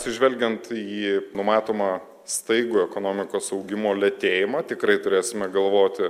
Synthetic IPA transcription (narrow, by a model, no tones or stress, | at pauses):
tsʲɪʒʲʋʲɛlʲɡʲɛnt̪iːnʊmɑːt̪oːmɑː | st̪ɐɪɡuɛkoːnoːmʲɪkoːsɐʊɡʲɪmoːlʲɛt̪ʲeːjɪmɑːt̪ʲɪkɾɐɪt̪ʊɾʲeːsʲɪmʲɛɡɐlˠʋoːt̪ʲɪ